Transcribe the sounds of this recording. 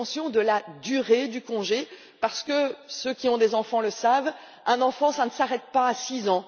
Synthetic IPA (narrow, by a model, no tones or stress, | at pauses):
sjɔ̃d̪əlad̪yʁed̪ykɔ̃ʒe | paʁsə̥kəsøkʲiɔ̃d̪ezɑ̃fɑ̃ləsav | ɛ̃nɑ̃fɑ̃sanəsaʁɛt̪̚paːsizɑ̃